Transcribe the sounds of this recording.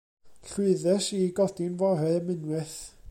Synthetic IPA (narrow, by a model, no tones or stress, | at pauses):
ɬɪɨðɛsiɡɔd̥invɔɦɛmɪnwɨθ